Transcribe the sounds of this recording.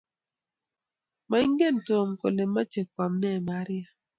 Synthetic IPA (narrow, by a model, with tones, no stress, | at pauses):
ma˦i˦ŋɡe˦˨nto˨mko̰˨le˨mːa˦t͡ʃe˨kwa˨mnɛ˦˨ma˨˦ɾɪ˦a˦